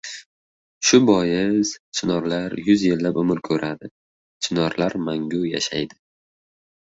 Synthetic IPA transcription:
ʃʊbɒjɪzt͡ʃʰɪnɒɾlaɾjʊzjelːapʊmɪɾkʲʰɵɾʔad̪ɪ | t͡ʃʰɪnɒɾlaɾmaŋɡʲʊja̰ʃajd̪ɪ

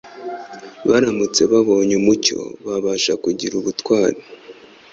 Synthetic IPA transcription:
βaɾamut͡se̞βaβo̞ːɲumuco̞̰βaβaʃakuɟiɾuβutwaːɾi

